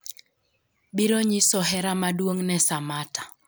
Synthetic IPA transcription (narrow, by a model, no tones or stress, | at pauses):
biɾoɲisɔɦɛɾamadwoŋnɛsamatḁ